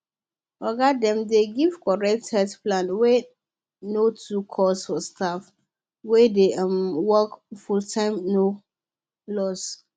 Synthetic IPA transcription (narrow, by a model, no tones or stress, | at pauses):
ɔɡadɛ̃mdeɡivkʰɔɹɛk̚thɛtplãnwɛ | notʰukʰɔsfɔstʰaf | wɛdemwɔkfultʰãɪmno | lɔs